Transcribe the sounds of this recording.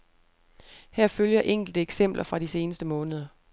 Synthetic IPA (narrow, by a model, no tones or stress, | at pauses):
hæɐ̰føljɐʔeŋ̰ɡ̥l̩d̥əeɡ̥sem̰b̥lʔɐfʁɑ̈dɾise̝ːnəsd̥əmɔ̽ːnəðˠɐ